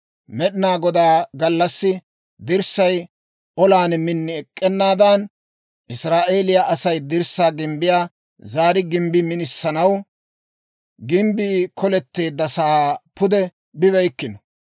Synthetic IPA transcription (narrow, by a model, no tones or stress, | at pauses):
mɛɗɪnaːɡɔd̪aːɡɐlːɐsːɪ | d̪ɪɾsɐj | ʔɔlaːnmɪnːɪɛkʼːɛnːaːd̪an | ʔɪsɾaːʔe̞ːlɪjaʔɐsɐjd̪ɪɾsːaːɡɪmbɪjaː | zaːɾɪɡɪmbɪmɪnɪsːɐnɐw | ɡɪmbiːkʰɔlɛt̪ːe̞ːd̪ːɐsaːpʊd̪ɛ | bɪβɛjkːɪnɔ